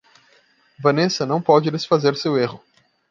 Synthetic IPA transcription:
vɐ̃nesɐnɐ̃w̃pɔd͡ʒɪd̪esfazeɾseweɦʊ

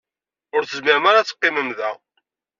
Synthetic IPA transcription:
ʊɾθəzmɪɾəmaɾat͡sːə̥qːɪməmðæ

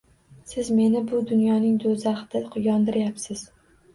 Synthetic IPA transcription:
sɪzme̞nɪbʊd̪ʊnjɒnɪŋd̪ozaχd̪̥ɪqʰʊjɒnd̪ɪɾjapsɪz̥

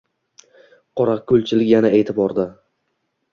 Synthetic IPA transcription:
qʰɒɾaqkʲʰɵlt͡ʃʰɪlɪkʲjanaʔeːt̪ʰɪbɒɾd̪ɪ

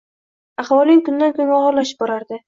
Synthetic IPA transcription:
ɑχwɒlˠɪŋkʊnd̪ankʰonɒʁɒɾlaʃɪ̥p̚bɒɾaɾd̪ɪ

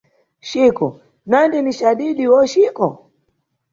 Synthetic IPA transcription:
ʃikɔ | nandiniʃaɗiɗiwɔʃikɔ

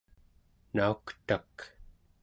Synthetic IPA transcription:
naukt̪ak

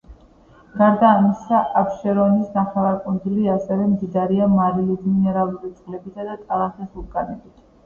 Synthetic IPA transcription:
ɡ̥aɾd̪aːmisaʔapʃɛɾɔnisnaχɛlaɾkʼund̪zuliasɛvɛmd̪id̪aɾiamaɾilid̪minɛɾalˠuɾit̪sʼvlɛbitsʰad̪at̪ʼalˠaχisuɾkʼanɛbit̪ʰ

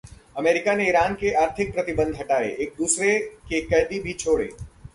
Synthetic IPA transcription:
ɐmeːɾɪkaneiɾaːnkeʔaːɾt̪ʰɪk̚pɾɐt̪ɪbə̃nd̪ʱɦɐʈaːḛʔeːk̚d̪uːsɾekekɐjd̪ibʱit͡ʃʰoːɽḛː

